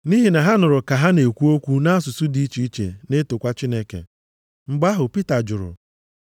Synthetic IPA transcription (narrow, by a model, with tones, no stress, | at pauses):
ni˦ɦi˨na˨ɦa˦nʊ˨ɾʊ˨ka˨ɦa˦ne˨kʷu˦o˦kʷu˦na˦sʊ˨sʊ˦di˦i˦t͡ʃi˦i˦t͡ʃḛ˨ne˦tʊ˨kʷa˦t͡ʃi˦ne˦kḛ˨ | ŋ͡m̩˨ɡ͡ba˦ɦʊ˨pi˦ta˨d͡ʒʊ˨ɾʊ̰˨